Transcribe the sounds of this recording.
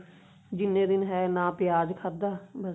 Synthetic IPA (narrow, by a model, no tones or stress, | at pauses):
d͡ʒɪnːẽːd̪ɪnɦɛːnãːpɪjaːd͡ʒkʰad̪aːbə